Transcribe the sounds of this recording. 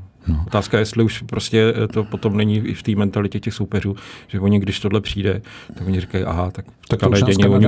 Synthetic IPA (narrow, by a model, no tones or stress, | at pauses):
ot̪aːskajɛst̪lɪuʃpɾo̞scɛt̪o̞po̞t̪o̞mnɛɲiɪft̪iːmɛnt̪alɪcɛcɛxsowpɛr̝uːʒ̥ɛvo̞ɲɪɡdɪʃt̪odlɛpr̝̥iːdɛt̪aɡvoɲɪrɪkajʔa̰ɦat̪akft̪kalɛɟɛɲɛvoɲɪ